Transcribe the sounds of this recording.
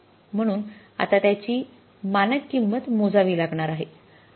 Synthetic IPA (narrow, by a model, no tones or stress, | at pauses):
m̤əɽ̃uːn | a̰t̪at̪jat͡ɕiː | manəkːimːət̪mod͡zaʋiːlaɡɳaɾaɦe